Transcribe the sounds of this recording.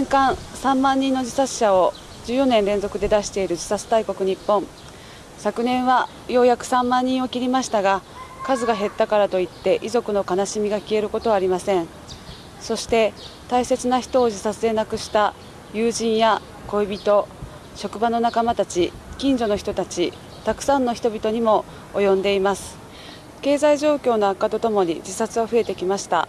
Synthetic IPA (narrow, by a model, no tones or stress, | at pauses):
ẽŋkãɰ̃sãmːãɲ̟ːĩnːo̞d͡ʑisḁɕao̞ | d͡ʑɨːjo̞nẽ̞nɾẽ̞nzo̞kɯ̟d̪e̞d̪aɕi̥t̪e̞iɾɯ̟d͡ʑi̥sat͡sɨ̥t̪aiko̞kɯ̟ɲ̟ipːõ̞ŋ | sakɯ̟nẽ̞ɰ̃βa | jo̞jakɯ̟̥sãmːãɲ̟ːĩɰ̃o̞kʲiɾʲimaɕi̥t̪aɡa | kazɨɡaɦe̞t̪ːakaɾat̪o̞it̪ːe̞ʔizo̞kɯ̟no̞kanaɕimʲiɡakʲie̞ɾɯ̟ko̞t̪o̞βaɾʲimasẽ̞ɰ̃ | so̞ɕi̥t̪e̞t̪aise̞t͡sɨnaçi̥t̪o̞ːʑisat͡sɨe̞nakɯ̟ɕi̥t̪a | jɯːʑĩɰ̃ja | ko̞ibʲit̪o̞ | ɕo̞kɯ̟bano̞nakamat̪at͡ɕi | kʲĩɲ̟d͡ʑo̞no̞çi̥t̪o̞t̪at͡ɕi | t̪akɯ̟̥sãnːo̞çʲi̥t̪o̞bʲit̪o̞ɲ̟imo̞ː | jõ̞nd̪e̞imasɨ̥ | ke̞ːzaiʑo̞ːkʲo̞ːno̞akːat̪o̞t̪o̞mo̞ɲ̟ḭd͡ʑisat͡sɨβaɸɯ̟e̞t̪e̞kʲimaɕi̥t̪a̰